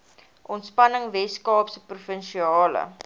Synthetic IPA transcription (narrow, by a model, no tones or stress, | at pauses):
ʔɔntspɐnəŋvɛskɑːpsəprufənʃiɑːlə̰